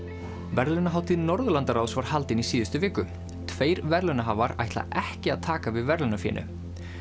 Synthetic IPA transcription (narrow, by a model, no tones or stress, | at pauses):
vɛɾlʏnaɦawt̪ɪnɔɾðʏlant̪aɾawsvaɾ̥halt̪ɪnisiːðʏst̪ʏvɪːkʏ | t̪ʰveːjɾvɛɾlʏnaɦavaɾa̰jht̪la̰ʔɛhcɪaðt̪ʰaːkavɪðvɛɾlʏnafjɛ̰ːnʔʏ̰